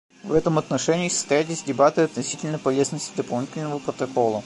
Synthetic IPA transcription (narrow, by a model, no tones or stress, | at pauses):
vɛt̪əmɐt̪nɐʂɛnʲɪːsə̥st̪ɐjætʲɪzʲdʲɪbat̪ɨɐt̪nɐsʲitʲɪlʲnəpɐlʲe̞znəsʲtʲɪd̪əpɐlˠnʲitʲɪlʲnəvəpɾət̪ɐko̞lˠə